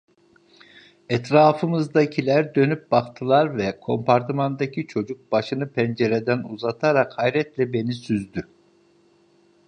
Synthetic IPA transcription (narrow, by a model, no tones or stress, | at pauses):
ɛt̪ɾaːfɯmɯzd̪acʰilʲæɾd̪ø̞nyp̚bakt̪ʰɯlˠaɾvɛkʰo̞mpʰaɾt̪ʰimand̪acʰit͡ʃʰo̞d͡ʒuk̚baʃɯnɯpʰɛnd͡ʒeɾed̪ænuzat̪ʰaɾakhajɾɛt̪lʲɛbe̞nisyzd̪y